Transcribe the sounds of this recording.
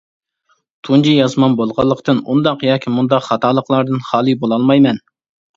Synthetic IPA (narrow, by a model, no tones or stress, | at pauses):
t̪ʰund͡ʒijɑzmɑnbolˠʁɑlˠːəqt̪ɨnṵnd̪ɑqjɑːkʲʰimund̪ɑqχɑt̪ʰɑːlˠəqlˠɑɾd̪ɨnχɑːlˠɨbolˠɑlˠmɑjmɛn